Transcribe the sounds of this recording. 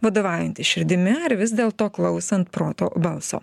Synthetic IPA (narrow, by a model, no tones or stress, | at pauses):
ʋɐd̪oːʋɑːjɛnʲt̪ʲɪʃʲɪɾʲd̪ʲɪmʲɪɐɾʋʲɪsd̪ʲeːlˠt̪oːklˠɐʊsɐnt̪pɾoːt̪o̰ːbɐlˠso̰ː